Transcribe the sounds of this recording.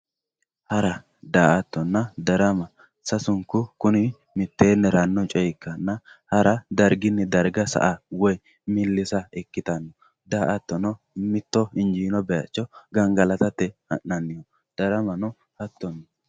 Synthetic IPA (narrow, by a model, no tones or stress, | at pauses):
hɐɾɐ | d̪aːʔɐt̪ːɔnːɐd̪ɐɾɐmɐ | sɐsʊŋkʊkʊnɪ | mɪt̪ːeːnːɛɾɐnːɔt͡ʃʼɔjkːɐnːɐhɐɾɐd̪ɐɾɡɪnːɛd̪ɐɾɡɐsɐ̰ʔawɔj | mɪlːɪsɐɛkːɪt̪ɐnːɔ | d̪aːʔɐt̪ːɔnɔ | mɪt̪ːɔɪnd͡ʒiːnɔbɛjɐ̰t͡ʃːɔɡɐŋɡɐlɐt̪ɐt̪ːɛhɐ̰nːɐnːɪjɔ | d̪̥ɐɾɐmɐnɔ | hɐt̪ːɔnːɔ